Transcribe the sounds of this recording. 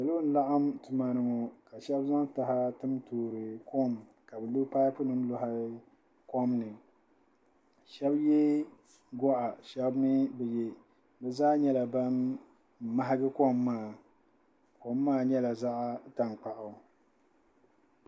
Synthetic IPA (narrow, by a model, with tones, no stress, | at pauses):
ja˨lo˦n̩˦la˦ʔa˦mtɨ˨ma˨nɨ˨ŋo˨ka˨ʃɛ˦bza˦ŋta˨ɦa˦tɨ˦mtoː˨ɾɨ˨ko˦m | ka˨bɨ˨lo˦paː˦pʊ˦nɨ˦n˦lʊ˨ɦa˦ | ko˦mnɨ˨ | ʃɛ˦bjɛ˦ | ɡɔ˦ʔa˨ʃɛ˦bnɨ˦bɛ˨jɛ˦ | bɛ˨zaː˦ɲɛ˦la˨ba˦n | ma˦ɦa˦ɡɨ˦ko˦mːaː˦˨ | ko˨mːaː˦˨ɲɛ˦la˨za˦ʔa˦ta˨ŋk͡pa˨ʔʊ˨